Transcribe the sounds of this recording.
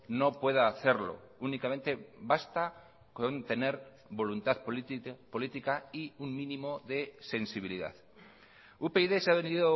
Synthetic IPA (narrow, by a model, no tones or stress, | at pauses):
no̞pwe̞ðaːθeɾlo̰unikamẽnt̪e̞bast̪a | kont̪e̞ne̞ɾ | βo̞lunt̪aðpolit̪ikaiuŋmĩnĩmoðe̞se̞nsiβ̞iliða̰θ | upeiðesaβend̪iðo